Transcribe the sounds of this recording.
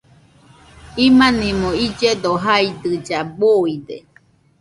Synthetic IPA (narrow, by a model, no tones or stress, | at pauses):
imanimoid͡ʒed̪oɦaid̪ɯd͡ʒaboid̪e